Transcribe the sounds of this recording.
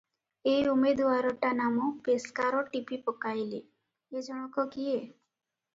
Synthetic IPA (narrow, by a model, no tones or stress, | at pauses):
ejumed̪uaɾɔʈanamɔpeskaɾɔʈipipɔkajle | ed͡ʒɔɽ̃ɔkɔkije